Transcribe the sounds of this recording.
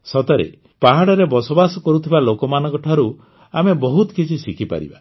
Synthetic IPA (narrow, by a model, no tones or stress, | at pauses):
sɔt̪ɔɾḛ | paɦaɽɔɾebɔsɔbasɔkɔɾut̪ʰibalokɔmanɔ̃ŋkɔʈʰɔɾu | amebɔɦut̪ɔkit͡ʃʰisikʰipa̰ɾḭba̰